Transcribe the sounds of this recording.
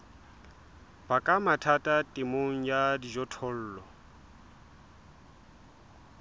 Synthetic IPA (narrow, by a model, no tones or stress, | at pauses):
b̥akʼamatʰatʼatʼɪmoŋ̩jadid͡ʒɔtʰɔl̩ːlɔ